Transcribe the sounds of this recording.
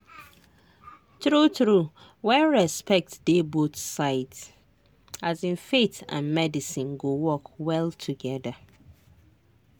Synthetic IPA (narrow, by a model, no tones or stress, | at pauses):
tɾutɾu | wɛ̃nɹɛspʰɛk̚td̥ebotsaɪts | azɪ̃nfetʰã̰nmɛdisĩnɡowɔkwɛltʰuɡɛdə